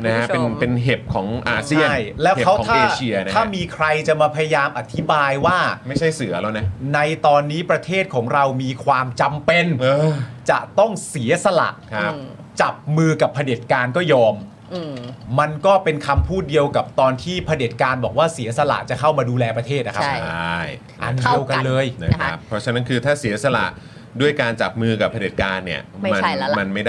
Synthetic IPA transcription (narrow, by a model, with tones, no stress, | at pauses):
na˦˥kʰa˦˥e˧ne˧nɦe˨˩p̚kʰɔ̰ː˩˦ŋʔaː˧st͡ɕi˥˩ə˥˩jlɛː˦˥wkʰa˦˥wɔ˩˦t̪ʰaːeː˧˩t͡ɕʰi˧ɐna˦aː˥˦˩miː˧kʰɾa˧jt͡ɕa˨˩maː˧pʰa˧ja˧jaː˧mʔa˨˩t̪ʰːi˦˥baː˧jwaː˥˩ma˥˩jt͡ɕʰa˥˩jsɯ˩˦ɐla˧na˦˥na˧jt̪ɔː˧nːiː˦˥pɾa˧t̪ʰeː˥˩t̪̚kʰɔː˩˦ŋɾa˧wmiː˧kʰwaː˧mt͡ɕa˧mpe˧nɤː˧t͡ɕa˨˩ʔt̪ɔ˥˩ŋsi˩˦ɐ˦sa˧la̰˨˩ʔkʰa˦ | t͡ɕa˨˩p̚mɯː˧ka˨˩pʰːa˧deː˨˩t̪̚kaː˧nkɔː˥˩jɔː˧m | a˧nkɔː˥˩pe˧nkʰa˧mpʰuː˥˩t̪̚di˧əwka˨˩p̚t̪ɔː˧nt̪ʰiː˥˩pʰa˧de˨˩t̪̚kaː˧nbɔː˨˩k̚waː˥˩si˩˦ɐsa˧la̰˨˩ʔt͡ɕa˨˩kʰa˥˩wmaː˧duː˧lɛː˧pɾa˧t̪ʰeː˥˩t̪̚na˦˥kʰa˦˥a˥j | ʔa̰˧ndi˧əwka˧lɤː˧jna˦˥kʰa̰˦pʰːɾɔ˦˥t͡ɕʰa˧˥na˦˥nkʰɯː˧t̪ʰaː˥˩si˩˦ɐsa˧la̰˨˩ʔ | du˥˩əjkaː˧nt͡ɕa˨˩p̚mɯː˧ka˨˩pʰːa˧de˨˩t̪̚kaː˧nːi˥˩ɐma˧˥ma˧nma˥˩jdaː˥˩